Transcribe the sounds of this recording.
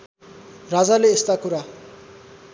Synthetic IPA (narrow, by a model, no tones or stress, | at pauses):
rad͡zaleest̪akuɾa